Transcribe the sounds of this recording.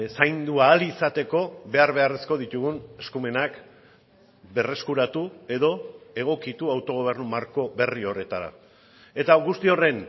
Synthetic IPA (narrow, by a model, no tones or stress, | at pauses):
sajnd̪uaːlisat̪e̞ko̞be̞aɾβe̞are̞sko̞ðit̪uɣune̞skume̞nak | be̞re̞skuɾat̪ue̞ðo̞e̞ɣ̞o̞kit̪uawt̪o̞ɣ̞o̞β̞e̞rnumaɾko̞be̞rio̞re̞t̪aɾa̰ | e̞t̪aɣust̪io̞re̞n